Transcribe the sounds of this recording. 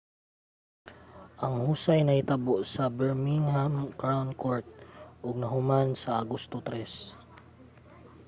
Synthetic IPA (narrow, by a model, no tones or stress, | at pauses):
ʔɐŋhuːsajnɐhɪt̪ɐboʔsɐbɛɹmiŋhamkɹawnkoɹt̪̚ʔʊɡ̚nɐɦʊmansɐʔaɡost̪ot̪ɾɛs